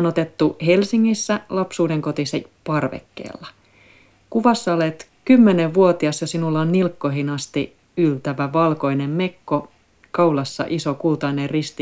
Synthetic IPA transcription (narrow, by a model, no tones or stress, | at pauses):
not̪e̞t̪ːuhe̞lsiŋːisːælɑpsuːdeŋko̞t̪isepɑrʋḛkːḛːlːɑ | kuʋɑsːɑolet̪kymːeneʋʋuot̪iɑsjɑsinulːɑnnilkːo̞ɦinɑst̪i | ylt̪æʋæʋɑlko̞inemme̞kːo | kɑulɑsːɑ̰ʔisokult̪ɑinerrist̪i